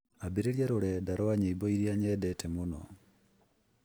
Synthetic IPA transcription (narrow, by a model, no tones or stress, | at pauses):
abeɾeɾjaɾoɾɛdaɾɔaɲeibɔiɾjaɲɛdɛtʰɛmonɔ̰